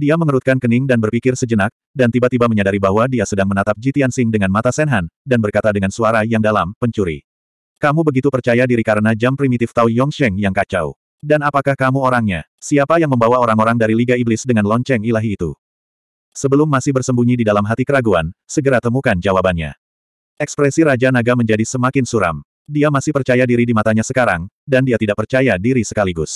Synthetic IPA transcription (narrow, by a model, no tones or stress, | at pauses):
diaməŋəɾut̪̚kankənɪŋdanbərpikɪrsəd͡ʒənak̚ | dant̪ibat̪ibaməɲadaɾibaɦwadiasədaŋmənat̪ap̚d͡ʒit̪iansɪŋdəŋanmat̪asɛnɦandanbərkat̪adəŋansuaɾajaŋdalampəɲt͡ʃuɾḭ | kamubəɡit̪upərt͡ʃajadiɾikaɾənad͡ʒampɾimit̪ɪft̪aujɔŋʃɛŋjaŋkat͡ʃa̰w | danapakahkamuoɾaŋɲasiapajaŋməmbawaoɾaŋoɾaŋdaɾiliɡaiblɪsdəŋanlɔɲt͡ʃɛŋilaɦiːt̪ṵ | səbəlʊmːasɪhbərsəmbuɲididalamɦat̪ikəɾaɡuansəɡəɾat̪əmukand͡ʒawabanɲa̰ | ʔɛkspɾɛsiɾad͡ʒanaɡaməɲd͡ʒadisəmakɪnsuɾa̰m | diamasɪhpərt͡ʃajadiɾidimat̪aɲasəkaɾaŋdandiat̪idaʔpərt͡ʃajadiɾisəkaliɡʊs